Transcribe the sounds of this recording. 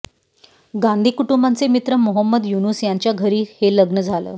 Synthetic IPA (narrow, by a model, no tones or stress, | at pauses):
ɡand̪ʱiːkuʈumbant͡semit̪ɾəmoɦəmːəd̪junuːsjaɲt͡ɕjaɡʱəɾiːheləɡnəd͡zʱalə̰ː